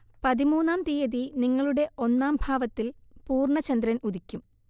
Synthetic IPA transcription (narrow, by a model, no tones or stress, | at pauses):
pɐðimuːnːaːmt̪ijɐðiniŋːɐɭuɽe̞ʔo̞nːaːmbʱaːʋɐt̪ːilpuːrɳɐt͡ɕɐnd̪ɾɐnuðikʲːum